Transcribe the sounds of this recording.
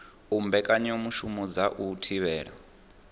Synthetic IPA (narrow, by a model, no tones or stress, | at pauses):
umbɛkʼaɲomuʃumud͡zaʔutʰiβɛːɺa̰